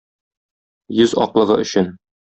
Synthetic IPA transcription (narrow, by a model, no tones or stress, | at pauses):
jɵzɒ̰qlˠɤ̆ʁɤʔɵ̆ɕɘn